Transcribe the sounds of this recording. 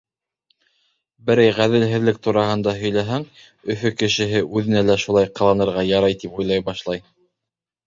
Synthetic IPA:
bɘ̆ɾæjʁæðɘ̆lɦɘ̆ðlɘk̚t̪uɾɑɦɤ̆nd̪ɑɦɵ̆jlæɦæŋ | ɵ̆fɵkɘ̆ʃɘ̆ɦɘʔʉðɘ̆nælæʃulˠɑjqɤ̆lˠɑnɤ̆ɾʁɑjɑɾɑjt̪ipujlˠɑjbɑʃlˠɑj

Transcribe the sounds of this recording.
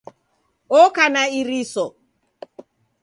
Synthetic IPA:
ɔkanaiɾisɔ

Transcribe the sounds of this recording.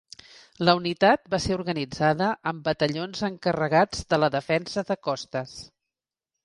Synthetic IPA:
ləunit̪at̪̚baseuɾɣənid͡zaðəʔəmbət̪əʎonzəŋkərəɣad͡zðələðəfɛnsəðəkɔst̪əs

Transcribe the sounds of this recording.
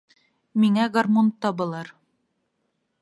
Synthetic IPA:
miŋæɡɐrmont̪ːɑbɤ̆lˠɑɾ

